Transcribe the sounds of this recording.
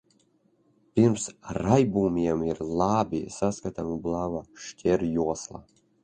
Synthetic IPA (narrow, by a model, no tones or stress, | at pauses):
pʲiɾmsɾajbuːmʲiɛmiɾlˠaːbʲisaskat̪amublˠaːvaʃcʲʰɛɾjuɔslˠa̰